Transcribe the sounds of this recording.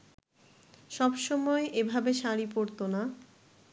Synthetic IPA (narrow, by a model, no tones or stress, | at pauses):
ʃɔbʃɔmɔeʔebʱabeʃaɾipoɾt̪ona